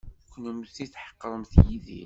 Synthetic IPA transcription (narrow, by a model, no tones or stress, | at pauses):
kʷːnəmuθiθħə̥qːɾˤəmθjiðḭ